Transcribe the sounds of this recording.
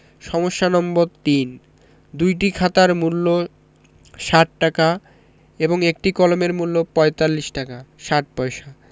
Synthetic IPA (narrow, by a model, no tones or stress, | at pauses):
ʃɔmoʃːanɔmboɾt̪in | d̪ujʈikʰat̪aɾmulːo | ʃaʈ̚ːaka | eboŋek̚ʈikɔlomeɾmulːopɔet̪alːiʃʈakaʃaʈ̚pɔeʃa